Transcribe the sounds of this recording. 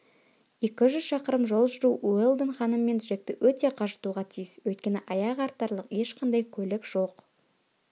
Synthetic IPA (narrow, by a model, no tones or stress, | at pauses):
e̞kʲɪʒʏzʃɑqəɾəmʒo̞lˠʒɪɾuwelˠd̪əɴχɑnəmːe̞nt̪ʰʏze̞k̚t̪ɪwɵt̪e̞qʰɑʒət̪uʁɑt̪ʰijɪswɵjt̪̚kʲe̞nɪʔɑjɑʁɑɾt̪ːɑɾlˠəqje̞ʃqɑnd̪ɑjkʲʰɵlɪkʒ̥o̞q